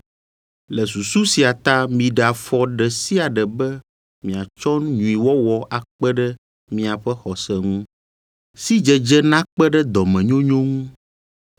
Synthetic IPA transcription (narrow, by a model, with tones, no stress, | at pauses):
lɛ˨su˨su˦si˨a˨t̪a˦mĩ˨ɖa˨fɔ˨˦ɖɛ˨si˦a˨ɖɛ˨bɛ˦ | mĩ˨a˨t͡ʃɔ˦nɲũ˨i˨wɔ˦wɔ˨ʔa˨k͡pɛ˦ɖɛ˦ | mĩ˦a˨ɸɛ˦xɔ˨sɛ˨ŋũ˦ | si˦d͡ʒɛ˦d͡ʒɛ˦nã˦k͡pɛ˦ɖɛ˦d̪ɔ˨mɛ̃˨ɲõ˦ɲõ˦ŋũ˦